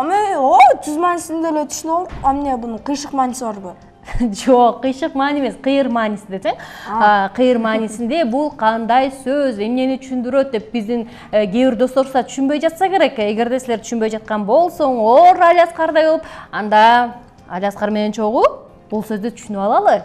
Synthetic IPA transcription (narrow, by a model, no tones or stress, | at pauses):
meot̪ʰyzmaːnisined̪elet̪ʰy̥ʃynolˠupamne̞bunuqɯjʃɯqmɑːnisiβɑɾbɯ | d͡ʒo̞qːɯjʃɯqmɑːneme̞sqɨjɯɾmɑːnisind̪ese̞ŋ | qʰɨjɯɾmɑːnisind̪e̞bulˠqʰɑnd̪ɑjsøze̞mne̞nit̪ʰy̥ʃynd̪yɾø̞t̪̚d̪e̞p̚bizd̪in | ɡʲe̞βiɾd̪o̞st̪o̞ɾɑt̪ʰy̥ʃynbø̞jd͡ʒɑt̪sɑke̞ɾe̞ke̞ɡe̞ɾd̪e̞sile̞ɾt̪ʰy̥ʃynbø̞jd͡ʒɑt̪̚qɑnbo̞lˠso̞ɴoɾalʲasqɑɾd̪ɑjbolˠupɑnd̪ɑ | alʲasqɑɾme̞ne̞nt͡ʃʰo̞ʁu | b̥ulˠsø̞zd̪yt̪ʰy̥ʃynyɑlˠɑlˠɯ